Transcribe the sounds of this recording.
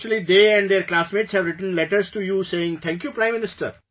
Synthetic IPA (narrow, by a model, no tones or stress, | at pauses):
t͡ʃəlid̪eːɛ̃ɳɖd̪eɾklaːsmeːʈshɛʋɾɪʈə̃n̩lɛʈəɾsʈujuseːɪ̃ŋt̪ʰɛ̃ŋkjuːpɾãɪ̃mːɪ̃nɪsʈə̰ɾ